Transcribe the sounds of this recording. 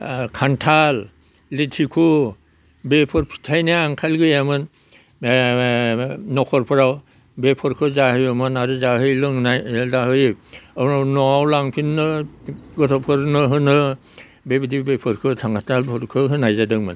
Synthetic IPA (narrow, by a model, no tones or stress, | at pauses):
kʰantʰal | letʰikʰu | bepʰɔɾpʰi̥tʰajnajaŋkʰalɡɯjamɯn | nɔkʰɔɾpʰɯɾaw | bepʰɔɾkʰɯzahɯjɔmɯnaɾɯzaɦɯjlɯŋnajzaɦɯjannɔawlaŋpʰinːɯɡɔtʰɔpʰɯɾnɯɦɯnɯ | bebidibepʰɯɾkʰɯtʰaŋʰatʰalbʰɔɾkʰɯɦɯnajzadɯŋmɯ̰n